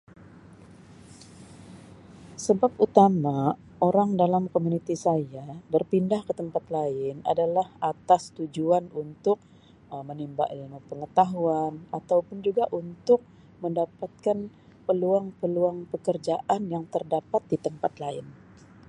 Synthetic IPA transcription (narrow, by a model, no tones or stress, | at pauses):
səbaput̪ama | ʔoɾaŋdalamkomunit̪isajabərpindahkət̪əmpat̪laɪna̰dalahat̪ast̪ud͡ʒuanunt̪ʊk̚ | mənimba̰ʔiməpəŋət̪aɦuanat̪awpʊnd͡ʒuɡaʔunt̪ʊk̚ | məndapat̪̚kan | pəluaŋpəluaŋpəkərd͡ʒaʔanjaŋt̪ərdapat̪̚dit̪əmpat̪laɪ̰n